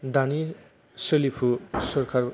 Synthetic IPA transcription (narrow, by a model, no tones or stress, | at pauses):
d̪ani | sʌlipʰusʌrkʰar